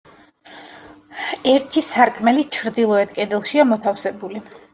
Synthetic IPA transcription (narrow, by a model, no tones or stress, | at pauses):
ɛɾt̪ʰisaɾkʼmɛlit͡ʃʰɾd̪ilˠɔɛt̪̚kʼɛd̪ɛlˠʃiamɔt̪ʰafsɛbuli